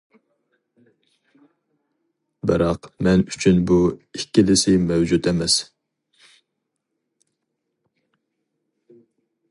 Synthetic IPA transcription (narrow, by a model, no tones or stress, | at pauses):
bɨɾɑqmɛnyt͡ʃʰynbuikʲʰːilɪsɪmɛwd͡ʒut̪ɛmɛs